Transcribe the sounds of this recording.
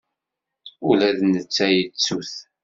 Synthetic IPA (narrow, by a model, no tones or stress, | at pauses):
ʊlæðnət͡sːæjət͡sːuθ